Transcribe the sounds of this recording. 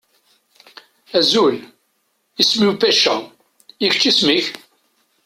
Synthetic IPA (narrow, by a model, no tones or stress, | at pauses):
æzul | ismiwfæʃæ | içət͡ʃːismiç